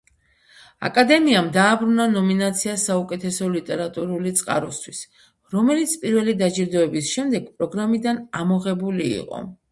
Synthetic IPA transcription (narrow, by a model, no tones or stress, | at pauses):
a̰kʼad̪ɛmiamd̪aːbɾunanɔminat̪sʰiasaukʼɛt̪ʰɛsɔlit̪ʼɛɾat̪ʼuɾulit̪sʼqʼa̰ɾɔst̪ʰwis | ɾɔmɛlit̪sʰpʼiɾvɛlid̪ad͡ʒiɾd̪ɔɛbisʃɛmd̪ɛɡ̥pʼɾɔɡɾamid̪anamɔʁɛbulḭːqʼɔ̰